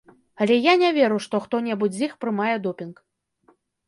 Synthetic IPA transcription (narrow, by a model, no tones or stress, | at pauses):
ɐlʲɛjanʲavʲɛɾuʂt̪ɔxt̪ɔnʲɛbud͡zʲzʲixpɾɨmajɛd̪ɔpʲink